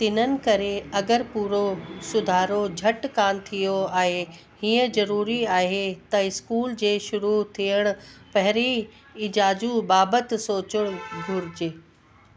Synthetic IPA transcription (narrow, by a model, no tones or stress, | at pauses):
t̪ɪn̤ənɪ̆kɐɾeɐɡəɾpuːɾosʊd̪ʱaːɾod͡ʑʱɐʈkaːnt̪ʰijoaːɦe | hiːə̃zɐɾuːɾiaːɦet̪ɐɪskuːld͡ʑeːʃʊɾut̪ʰijəɽ̃ʊpɐɦɪɾi | ɪd͡ʑaːd͡ʑũbaːbət̪soːt͡ɕəɽ̃ɡʱʊɾd͡ʑeː